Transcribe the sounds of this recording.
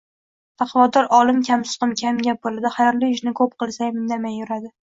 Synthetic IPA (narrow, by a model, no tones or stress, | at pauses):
t̪ʰaqʰvɒd̪ɒɾʔɒlˠɪmkʲʰamsɨ̥qɨmkʲʰamɡʲap̚olɪd̪ɪχajɒɾlɪjʊʃnɪkʰɵp̚qɨlˠsamɪnd̪amajʊɾad̪ɪ